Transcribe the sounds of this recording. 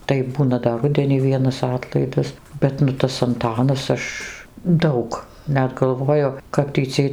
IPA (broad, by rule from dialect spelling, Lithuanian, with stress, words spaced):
tɐɪ ˈbuːnɐ dɐr ˈrʊdʲɛnʲiː ˈʋʲiɛnɐs ˈɑːtlˠɐɪdɐs ˈbʲɛt nʊ ˈtɐs ɐnˈtɑːnɐs ˈɐʃ ˈdɐʊk ˈnʲɛt ɡɐlˠˈʋoːjʊ kɐp tʲiː ˈt͡sʲiɛj